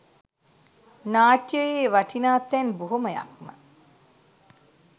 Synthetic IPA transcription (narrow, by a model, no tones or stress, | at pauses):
naːʈjəjeːʋaʈʰinaːt̪ːɛnbuɦuməja̰k̚mə̰